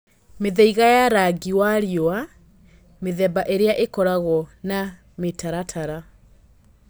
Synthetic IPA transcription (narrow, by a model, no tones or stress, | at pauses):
meðɛiɣajaɾaɡiwaɾjɔa | meðɛbaʔeɾeaʔekɔɾaɣɔna | metaɾatʰaɾa